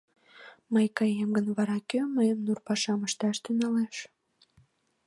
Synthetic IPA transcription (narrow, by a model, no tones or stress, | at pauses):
məjkɑjemɡənβɑɾɑkøməjəmnurpɑʃɑməʃt̪ɑʃt̪ynɑleʃ